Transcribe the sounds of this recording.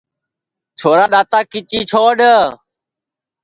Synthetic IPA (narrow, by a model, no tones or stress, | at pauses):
t͡ʃʰoːɾaːɗaːt̪aːkɪt͡ʃiːt͡ʃʰoːɗə